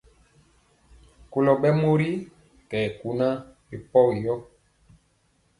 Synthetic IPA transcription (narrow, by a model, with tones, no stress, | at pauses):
ko˨lɔ˨ɓɛ˦mo˦ɾi˦ | kɛ˨ku˨na˦ɾi˨pɔ˦wi˨jɔ˦